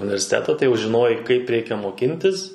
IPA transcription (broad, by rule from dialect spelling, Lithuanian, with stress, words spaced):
ʊnʲɪʋʲɛrʲsʲɪˈtʲæːtɐ tɐɪ ˈjɛʊ ʒʲɪˈnoːjɛɪ kɐɪp ˈrʲɛɪkʲɛ moːˈkʲɪnʲtʲɪs